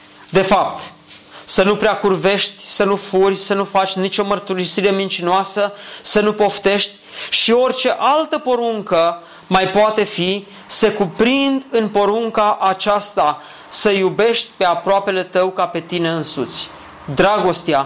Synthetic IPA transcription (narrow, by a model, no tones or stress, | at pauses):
d̪e̞fapt̪ | sənupɾeakurve̞ʃt̪ʲsənufurʲsənufat͡ʃʲnit͡ʃo̞mərt̪uɾisiɾe̞mint͡ʃinoasəsənupo̞ft̪e̞ʃt̪ʲʃio̞rʲt͡ʃe̞ʔalt̪əpo̞ɾuŋkə | majpoat̪e̞fi | se̞kupɾind̪ɨnpo̞ɾuŋkaʔat͡ʃast̪a | səjube̞ʃt̪ʲpe̞apɾoape̞le̞t̪əwkape̞t̪ine̞ɨnsut̪sʲ | d̪ɾaɡo̞st̪ea